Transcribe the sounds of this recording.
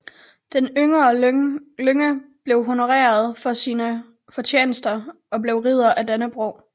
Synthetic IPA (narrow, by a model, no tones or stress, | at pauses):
d̥enøŋɐːløŋəb̥le̝ʊɦo̝no̝ʁɛ̰ːɐð̞ˠfɒ̽siːnə | fɒ̽t͡ɕʰjḛːnəsd̥ɐʔɒ̽ble̝ʊʁið̞̰ˠɐʔæd̥ænəb̥ʁoʊ̰